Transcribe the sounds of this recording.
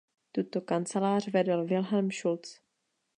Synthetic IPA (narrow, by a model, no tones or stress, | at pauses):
t̪ut̪okant͡sɛlaːr̝vɛdɛlvɪlɦɛlmʃult͡s